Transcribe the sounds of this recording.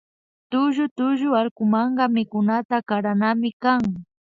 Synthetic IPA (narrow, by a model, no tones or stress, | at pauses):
t̪ʊʒʊt̪ʊʒʊaɾkʊmɑɴɢɑmɪkʊnat̪akaɾanamɪkaŋ